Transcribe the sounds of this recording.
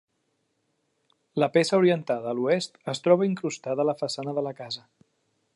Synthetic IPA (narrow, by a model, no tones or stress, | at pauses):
ləpesəuɾiənt̪aðəːluest̪əst̪ɾɔβ̞əiŋkɾust̪aðələfəsanəðələkazə